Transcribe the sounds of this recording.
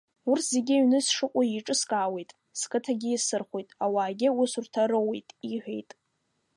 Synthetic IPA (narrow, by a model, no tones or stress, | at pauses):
urtʰz̥e̞ɡʲɪɥnɨsʂɨqʷʼaiʈ͡ʂʼɨskʼaːwe̞jtʼ | skʰʼɨtʰaɡʲɪisɨrχʷojtʼawaːɡʲɪʊsurtʰaɾowḛjtʼiħᶣḛjtʼ